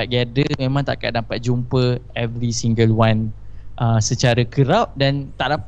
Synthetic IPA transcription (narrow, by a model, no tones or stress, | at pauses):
at̪̚ɡadəmẽmãŋt̪a̰ʔkaʔ̚dampat̪̚d͡ʒumpəɛvɾisiŋɡəlwanʔəsət͡ʃaɾəkəɾaʔ̚dant̪aʔda